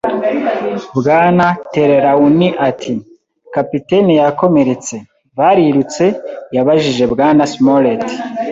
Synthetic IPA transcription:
bɡaːnate̞ɾe̞ɾauniʔatʰi | kapitenijako̞meɾet͡se̞ | βaɾiɾut͡se̞jaβaʒiʒe̞bɡaːnasmoɾeti̥

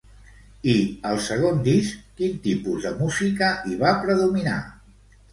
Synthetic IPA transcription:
iəlˠsəɣ̞ond̪iskkint̪ipuzðəmuzikəiβ̞apɾəðumina̰

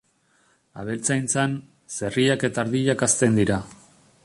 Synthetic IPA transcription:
a̰βe̞lt͡sajnt͡san | se̞riake̞t̪aɾðiʎakast̪e̞nd̪iɾa

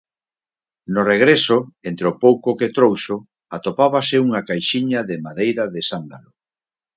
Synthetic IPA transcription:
nʊreɣ̞ɾesʊent̪ɾeopowkʊket̪ɾowʃʊ | at̪opaβ̞asɪuŋakajʃiɲaðemaðejɾaðesand̪a̰lo

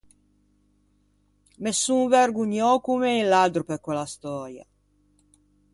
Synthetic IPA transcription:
mesːuverɡuɲɔkumeilːad̪ɾupekwɛlast̪ɔːɾja̰

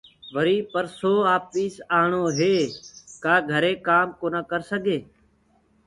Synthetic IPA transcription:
ʋəɾiːpəɾsoːaːpiːsaːɳoːɦeːkaːɡʱəɾeːkaːmkoːnaːkəɾsəɡʱeː

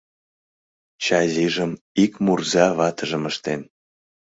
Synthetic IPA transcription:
t͡ɕɑziʒəm | ikmurzɑβɑt̪əʒəməʃt̪en

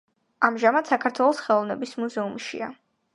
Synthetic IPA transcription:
amʒamad̪sakʰaɾt̪ʰwɛlˠɔsχɛlˠɔvnɛbismuzɛumʃḭa̰

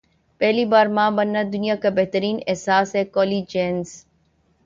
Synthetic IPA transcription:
pɛɦlibaːɾmãːbɐnːad̪ʊnijakabɛɦt̪əɾiːnɛɦsaːsɦɛkɔːliːd͡ʒeːnz

